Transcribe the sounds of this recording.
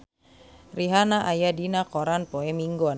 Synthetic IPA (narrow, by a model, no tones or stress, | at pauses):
riɦanaʔajadinakɔɾanpɔɛmiŋɡɔn